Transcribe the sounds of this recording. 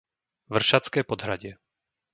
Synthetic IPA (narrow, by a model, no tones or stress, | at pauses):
ʋr̩ʃat͡skɛːpɔd̪ɦɾaɟɪɛ